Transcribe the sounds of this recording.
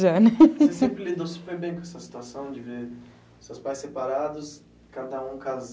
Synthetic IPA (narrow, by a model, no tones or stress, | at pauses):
ʒɛnɛsesẽmpɾɪlid̪osu̥peɾbẽj̃kõɛsɐsi̥t̪uasɐ̃w̃d͡ʒɪveɾ | ʊsewspajsepaɾad̪ʊs | kad̪ɐũkaz